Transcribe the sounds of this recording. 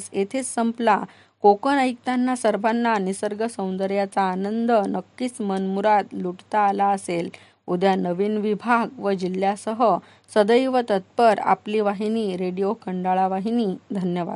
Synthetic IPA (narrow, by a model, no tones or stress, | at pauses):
set̪ʰet͡ssəmpla | kokənəjk̚t̪anːasəɾbʱanːanisəɾɡəsə̃w̃nd̪əɾjat͡saːnənd̪ənəkːiːt͡smənmuɾat̪luʈt̪aːlaəsel | ud̪ʱjanəʋiːnʋibʱaɡʋəd͡ʑil̤jasəɦə | səd̪əjʋət̪ət̪̚pəɾa̰pliʋaɦiniːɾeɽijokʰəɳɖaɭaʋaɦiniːd̪ʱənjəʋa̰d̪